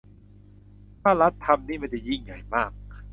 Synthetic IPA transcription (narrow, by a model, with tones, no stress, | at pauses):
t̪ʰaː˥˩ɾa˦˥t̪ʰːa˧mniː˥˩ma˥˩t͡ɕɛ˧˩ji˥˩ŋja̰˨˩jmaː˥˩k̚